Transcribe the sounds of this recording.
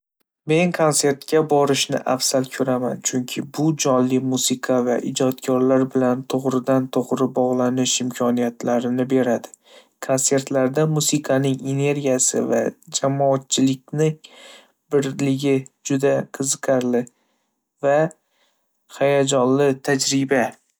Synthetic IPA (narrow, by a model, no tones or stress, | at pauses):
me̞ŋkʰonse̞ɾt̪kʲʰabɒɾɪʃnɪ̰ʔafsalkʲʰɵɾamant͡ʃʰʊŋkʲʰɪbʊd͡ʒɒnlɪmusɪqʰɑvaʔɪd͡ʒɒt̪kʲʰɒɾlaɾbɪlant̪ʰoʁɾɪd̪ant̪ʰoʁɾɪbɒʁlˠanɪʃɪmkʲʰɒnijat̪ʰlaɾɪnɪbe̞ɾad̪ɪ̥ | kʰonse̞ɾt̪laɾd̪amusɪqʰɑnɪŋene̞ɾɡʲijasɪ̰va̰d͡ʒamɒːt̪̚t͡ʃʰɪlɪkʲnɪŋ | b̥ɪɾlɪɡʲɪd͡ʒʊd̪aqʰɨzɨqʰɑɾlɪ | va | hajad͡ʒɒnlɪt̪ʰad͡ʒɾɪba